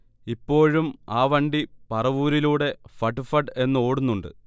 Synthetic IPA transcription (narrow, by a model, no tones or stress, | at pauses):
ipːo̞ːɻumaːʋɐɳɖipɐrɐʋuːɾiluːɽe̞fɐʈːɨfɐʈɨe̞nːɨo̞ːɽunːuɳɖɨ̰